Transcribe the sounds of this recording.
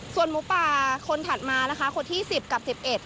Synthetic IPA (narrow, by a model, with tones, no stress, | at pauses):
su˨˩ənmu˧˦paː˧˩kʰo˧nt̪ʰa˨˩t̪̚maː˧la˧˦˥kʰa˦˥kʰo˧nt̪ʰiː˥˩si˨˩p̚ka˨˩p̚si˨˩p̚ʔe˨˩t̪̚